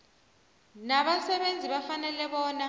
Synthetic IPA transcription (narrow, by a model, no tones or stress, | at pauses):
naβasɛβend͡zʱiβafanɛlɛβɔːna